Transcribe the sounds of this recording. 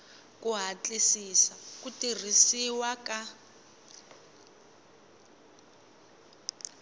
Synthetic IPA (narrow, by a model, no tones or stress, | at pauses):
kuɦat͡ɬʼisisakutir̤isiwaka